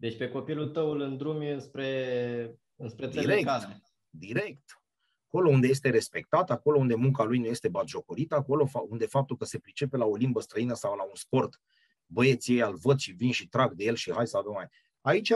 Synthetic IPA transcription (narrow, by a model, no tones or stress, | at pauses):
d̪et͡ʃʲpe̞ko̞pilult̪əwlɨnd̪ɾumjɨnspɾe̞ | ɨnspɾed̪eilɾeeka | d̪iɾe̞kt̪ | ako̞lo̞und̪ejest̪e̞ɾe̞spe̞k̚t̪at̪ako̞lound̪e̞muŋkalujnuje̞st̪e̞bat̪ʒo̞koɾit̪əako̞lo̞fund̪e̞fap̚t̪ulkəse̞pɾit͡ʃe̞pe̞lao̞limbəst̪ɾəinəsawlaunspo̞rt̪ | bəje̞t̪sijejalvəd̪ʃivinʃit̪ɾaɡ̚d̪e̞je̞lʃihajsad̪omae | ait͡ʃa